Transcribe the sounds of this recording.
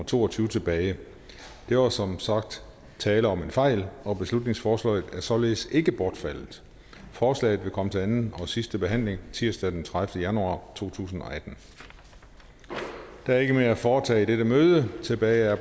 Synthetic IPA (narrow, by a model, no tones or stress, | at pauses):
t͡sʰo̝̰ːɒt͡sʰyːʊət͡sʰe̝b̥ɛːɪ | d̥e̝ʋɑsɒ̽msɑ̈ɡ̥̚d̥ | t͡sʰɛːləɒ̽me̝nfɑ̈ɪ̰lɒ̽b̥e̝slud̥ne̝ŋsfɒːslɛ̰ɪð̩ˠæɐsɒ̽le̝ːð̩ˠse̝ɡ̥əb̥ɒːd̥fæl̰ð̩ˠ | fɒːslɛ̰ɪð̞̩ˠʋe̝kʰɒ̽mət͡sʰe̝lænn̩ɒsisd̥əb̥e̝ɦæn̰le̝ŋt͡sʰiɐsd̥æd̥ent͡sʰʁaðˠfd̥əjænuɑ̰̈ːt͡sʰo̝̰ːt͡sʰṵːs̬n̩ɒ̽æd̥n̩ | d̥ææɐe̝ɡ̥əme̝ːɐæfɒːt͡sʰɛ̰ːid̥eɾəmøːðˠət͡sʰe̝b̥ɛːɪæɐ